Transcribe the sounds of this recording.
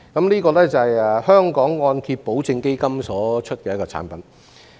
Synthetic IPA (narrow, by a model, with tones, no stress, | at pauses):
kɐ˨˦mniː˥kɔː˧lɛː˥t͡sɐ˨hɐ˨jɛ˨hœː˥ŋkɔː˨˥ŋːɔː˧nkʰiː˧t̚po˨˥wt͡sɪ˧ŋke˥jkɐ˥msɔː˨˥t͡ʃʰɵ˥t̚kɛː˧jɐ˥kɔː˧t͡sʰa̰ː˨˥npɐ˨˥n